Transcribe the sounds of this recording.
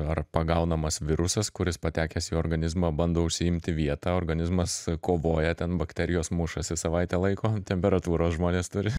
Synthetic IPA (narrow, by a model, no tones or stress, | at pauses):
ɐrpɐɡɐʊnɐmɐsʋʲɪɾʊsɐskʊɾʲɪspɐt̪ʲæːkʲɛsiːoːrɡɐnʲɪzmɐːbɐnd̪oːʊʃʲsʲɪɪmʲt̪ʲɪʋʲiɛt̪ɑːoːrɡɐnʲɪzmɐskoːʋoːjɛt̪ʲɛnbɐkt̪ʲæɾʲɪjoːsmʊʃɐsʲɪsɐʋɐɪt̪ʲɛːlˠɐɪkoːt̪ʲɛmʲpʲɛɾɐt̪uːɾoːsʒmoːnʲeːst̪ʊɾʲɪ